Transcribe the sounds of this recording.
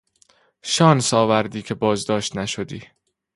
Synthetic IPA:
ʃɒːnsɒːvæɾd̪iːcʰe̞bɒːzd̪ɒːʃt̪næʃod̪iː

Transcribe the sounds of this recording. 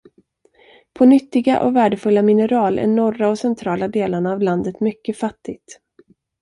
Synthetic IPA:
pʰɔnʏt̪ːɪɡa̰ʔɔ̰væːɖəfɵlːamɪnəɾɑːlʔæ̰ɳɔraɔsɛnt̪ʰɾɑːlad̪eːlaɳaːvland̪ət̪mʏkːəfat̪ːɪɡt̪

